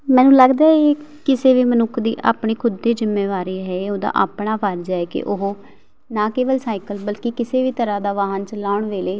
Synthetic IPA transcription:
mɛ̃ːnũːləɡd̪aːeːkɪseːʋiːmənʊkʰd̪ḭːʔa̰ːpɳiːkʰʊd̪ːeːd͡ʒɪmːeːʋaːɾiːɦɛːoːd̪a̰ːʔa̰ːpɳaːpaːɾd͡ʒaːɛːkɪ̰ʔʊɦoː | naːkeːʋəlsaːikəlbəlkɪkɪseːʋiːt̪əɾaːd̪aːʋaːɦənt͡ʃəlaːʊɳʋeːleː

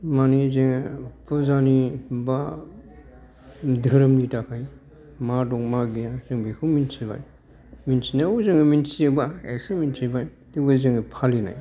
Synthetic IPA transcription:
manizeŋpɯzaniba | dʱɯɾɯmlitakʰaj | madɔŋmaɡejazɯŋbikʰɯminsiba̰j | minsinajozɯŋɯminsiebaesɯminsibaj | tibɯziŋpʰalina̰j

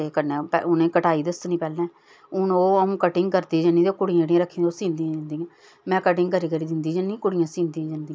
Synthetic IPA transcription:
ekənepɛ̰ʊnẽːkəʈaːiːd̪əst̪nĩːpɛːlɛ̃ː | ʊnoːəũːkəʈɪŋɡkəɾd̪iːd͡ʒə̃niːd̪oːkʊɽijãɽijãːɾəkʰːĩːoːsĩːnd̪iãːd͡ʒãːnd̪iːã | mɛ̃ːkəʈ̬ɪ̃ŋɡkəɾiːkəɾiːd̪ɪnd̪iːd͡ʒənĩkʊɽɪjãːsĩːnd̪iãːd͡ʒãːnd̪ĩːã

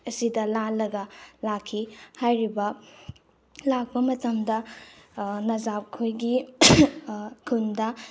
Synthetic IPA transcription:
ɐsidɐlalɐɡɐlakʰːihajɾibɐ | lak̚pɐmɐtɐmdɐ | nɐzap̚kʰojɡi | kʰundɐ

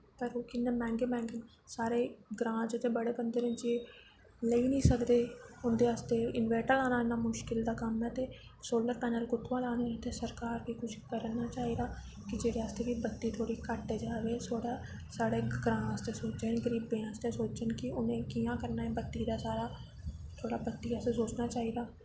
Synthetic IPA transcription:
pəɾokɪnːẽːmɛ̃ːŋɡeːmɛ̃ːŋɡən | saːɾeːɡɾãːt͡ʃt̪eːbəɽeːbənd̪eːɾə̃nt͡ʃeː | ləiːnəĩːsəkd̪eːʊnd̪eːɦaːst̪eːɪnʋɛːʈəlãːnaːɪnaːmʊʃkɪld̪aːkəmɛːt̪eːsoːləɾpɛːnəlkʊt̪ʰːʋãːlaːnet̪ʰeːsəɾkaːɾbiːkʊt͡ʃʰkəɾnaːt͡ʃaːiːd̪aː | kɪd͡ʒeːɽeːaːst̪eːʋiːbət̪ːiːt̪ʰoːɽiːkəʈːeːd͡ʒaːʋeːsoːɽaː | saːɽeːɡɾãːaːst̪eːsoːt͡ʃeːnẽːɡəɾiːbẽːãːst̪eːsoːt͡ʃənkɪʊnẽːkijãːkəɾnaːɛ̃ːbət̪ːiːd̪aːsaːɾaː | t̪ʰoːɽaːbət̪ːiːaːst̪eːsoːt͡ʃnaːt͡ʃaːiːd̪aː

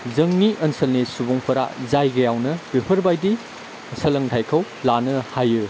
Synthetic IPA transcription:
zɐŋniʔɐnsɐlnisubɔŋpʰɐɾa̰zajɡɐjawnɐbipʰɐɾbajdi | sɐlɐŋtʰajkʰɐw | lanɐhajɯ

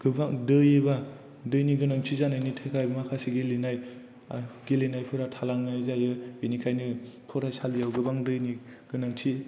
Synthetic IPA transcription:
ɡ̥ɯbaŋdɯjɯba | dɯjniɡɯnaŋtʰizanɯjnitʰajkʰajbmakʰasiɡelinaj | aɡelinajpʰɯɾatʰalaŋnɯzajɯbinikʰajnɯpʰɔɾasalijawɡɯbaŋdɯjni | ɡ̥ɯnaŋtʰi

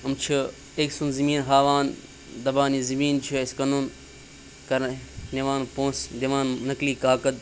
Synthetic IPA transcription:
ɐmt͡ʃʰi | eksunzimiːnɦaːʋaːn | d̪ɐbaːnizimiːnt͡ʃʰieskɐnun | kɐɾneʋaːnpõːsd̪iʋaːnnɐkliːkaːkɐd̪̚

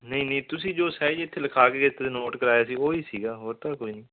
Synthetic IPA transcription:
nəĩːnəĩːt̪ʊsĩːd͡ʒoːsɛːd͡ʒɪt̪ʰːeːləkʰaːkeːet̪ʰːeenoːʈkəɾaːjaːsiːoːiːsiːɡaːɦoːɾt̪aːkoinĩː

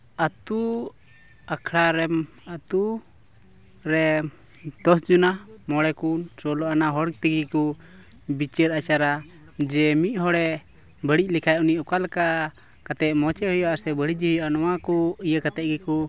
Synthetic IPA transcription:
at̪u | akʰɽaɾɛm | at̪u | ɾɛ | d̪̥ɔsd͡ʒunamɔɽɛkunsɔlɔʔanaɦɔɽk̚t̪əɡikɔ | bit͡ʃəɾat͡ʃaɾa | d͡ʒɛmit̪̚ˀhɔɽɛ | bəɽic̚lɛkʰajʔuniʔɔkalka | kat̪ɛʔmɔt͡ʃɛhɔjɔasɛbəɽid͡ʒiɦɔjɔʔanɔwakɔijəkat̪ɛʔ̚ɡikɔ

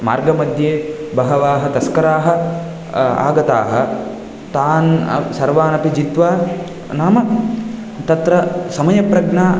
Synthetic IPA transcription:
ma̰ːɾɡɐmɐd̪jeːbɐɦɐʋaːɦɐt̪ɐskɐɾaːɦɐ̆ | a̰ːɡɐt̪a̰ːɦɐ̆ | t̪aːnsɐɾʋaːnɐpid͡ʒit̪ʋaː | naːmɐk | t̪ɐt̪ɾɐsɐmɐjɐpɾɐɡnaː

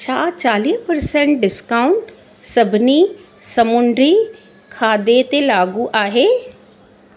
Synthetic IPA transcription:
t͡ʃʰaːt͡ʃaːliːpəɾsɛ̃ɳʈ̚ɖɪskaːʊɳʈ | səbʱni | səmʊɳɖɾiː | kʰaːd̪et̪elaːɡuʔaːɦeː

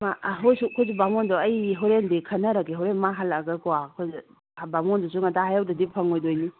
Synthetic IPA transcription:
maɦojsukʰozibamondɔɐjɦoɾendikʰɐnɐɾɐkiɦɔɾenmaɦalaɡɐkɔwakʰoz | bamondɔsuŋɐtʰaɦajawdɐdipʰɐŋojdojni

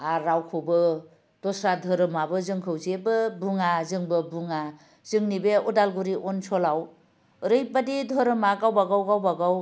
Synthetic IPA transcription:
aɾawkʰobɯ | d̥ɔsɾadʱɔɾɯmabɯzɯŋkʰɯwzebɯbuŋazɯŋbɯbuŋa | zɯŋnibeɔdalɡuɾiʔɔnsɔlaw | ɾɯjbadidʱɔɾɯmaɡawbaɡawɡawbaɡaw

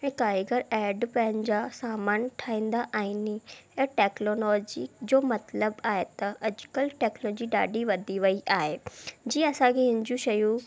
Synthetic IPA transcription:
ɦɛ̃ːkaːɪɡəɾɛːɖpɐ̃ɦɪ̃nɪ̆d͡ʑasaːmaːnʈʰaːĩːnd̪aʔaɦɪnɪ̃ʈɛːknoːlɔːd͡ʑid͡ʑoːmɐt̪ləbaːɦet̪ɐʔɐd͡ʑʊkəlʈɛːknɔːd͡ʑiɖa̰ːɖiʋɐd̪ʱiʋɐiʔaːɦed͡ʑiːɐsãkʰeɦɪ̃ɲd͡ʑũʃɐju

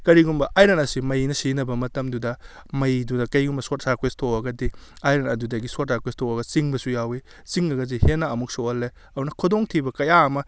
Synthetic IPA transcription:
kɐɾiɡumbɐʔajɾɐnɐsimɐjnɐsinɐbɐmɐtɐmdudɐ | mɐjdudɐkɐjɡumbɐsot̚saɾkwestʰoɐɡɐdiajɾɐnɐdudɐɡisot̚saɾkwestʰoɐɡɐt͡ʃiŋbɐsujawi | siŋɐɡɐdihenːaɐmuk̚soɐlːe | ɐdunɐkʰudoŋtʰibɐkɐjaɐmɐ

